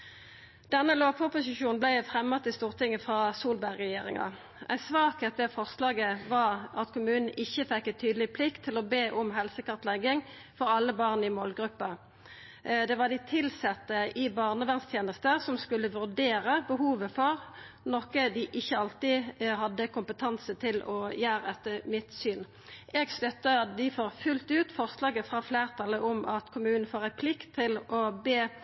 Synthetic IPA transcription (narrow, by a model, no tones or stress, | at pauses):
d̪̥ɛnːəloːʋfɔʁpʊsɪʃuːnblæɪfʁɛmːɑt̪ɪst̪uːʁt̪ɪŋːəfʁɑːsuːlbæʁɛjeːʁɪ̰ŋɑ̰ | ʔæ̰ɪsʋɑːkɛt̪ːəfɔʁslɑːɡəʋɑʁɑt̪kʰʊmʉːnn̩ɪçːəfɛkːɛnt̪ʰyːd̪əlɪpʰlɪkt̪ʰːɪlɔbeːʔɔmɦɛlsəkɑʁt̪lɛɡɪŋ | fɔɾɑlːəbɑːʁnɪmɔːlɡʁʉpːɑ | d̪ɛʋɑd̪ɪt̪ʰɪlsɛt̪ːəʔɪbɑːʁnəʋɛnst̪ʰjeːnəst̪əsɔmskʉlːəʋʉʁd̪eːʁəbəɦuːʋəfɔʁ | nɔkəd̪ɪʔɪçːəɑlt̪ɪɦɑd̪ːəkʰʊmpət̪ʰɑnsət̪ʰɪlɔjæːɾəɛt̪ːəmɪt̪syːn | ʔɛɡslʉt̪ːəd̪ɪfoːʁfʉlt̪ʉːt̪fɔʁslɑːɡəfʁɑfleːʁt̪ʰɑləʔɔmɑt̪kʰʊmʉːnn̩foːʁæɪpʰlɪkt̪ʰːɪlɔbeː